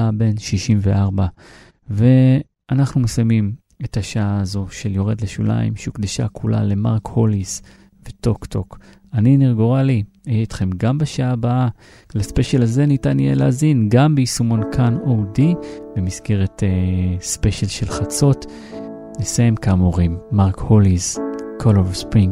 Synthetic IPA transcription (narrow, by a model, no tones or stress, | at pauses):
abe̞nʃiʃimve̞ʔaʁba | ve̞ | anaχnumesamim | e̞thaʃaaːzo̞ʃe̞ljo̞ʁedleʃṵla̰ḭmʃukd̪eʃa̰kʰula̰le̞maʁkholis | veto̞kt̪o̞k | aniniʁɡoʁali | ijeit̪χe̞mɡambaʃaaːbaa | laspe̞ʃelaze̞nitanijḛleazinɡambeisumo̞nkʰanowdibemisɡe̞ʁetespe̞ʃelʃe̞lχat͡so̞t | nesajemkamoʁimːaʁkholizkʰolovspʁiŋ